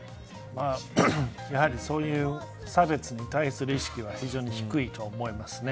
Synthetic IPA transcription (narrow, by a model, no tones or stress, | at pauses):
maː | jahaɾʲiso̞ːjɯ̟ː | sabe̞t͡sɨɲ̟it̪aisɨɾɯ̟iɕi̥kʲiβaçiʑo̞ːɲ̟içi̥kɯ̟it̪ʰo̞ːmo̞imasɨne